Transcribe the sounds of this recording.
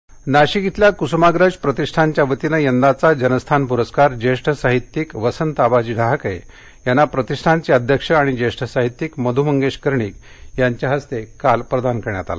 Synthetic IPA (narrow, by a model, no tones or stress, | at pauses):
naɕiɡit̪ljakusumaɡɾəd͡ʑpɾət̪iʂʈʰaɲt͡ɕjaʋət̪inəjənd̪at͡sad͡ʑənəst̪ʰanpuɾəskaɾd͡ʑeʂʈʰəsaɦit̪ːikʋəsənt̪abad͡ʑiɖʱaɦkəjḛ | janːapɾət̪iʂʈʰant͡ɕiəd̪ʱjəkʂəaɽ̃id͡ʑeʂʈʰəsaɦit̪ːiːkməd̪ʱum̤əŋɡeɕkəɾɳiːk | jaɲt͡ɕjaɦəst̪ekalpɾəd̪ʱankəɾɳja̰t̪a̰la